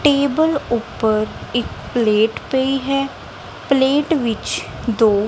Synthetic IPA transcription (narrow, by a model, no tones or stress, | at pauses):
ʈeːbəlʊpːəɾɪkpleːʈpeiɦɛː | pleːʈʋɪt͡ʃ | d̪oː